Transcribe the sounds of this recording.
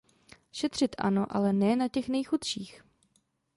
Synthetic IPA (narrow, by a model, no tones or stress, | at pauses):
ʃɛt̪r̝̥ɪt̪ʔa̰noʔa̰lɛnɛːnacɛxnɛjxut̪ʃiːx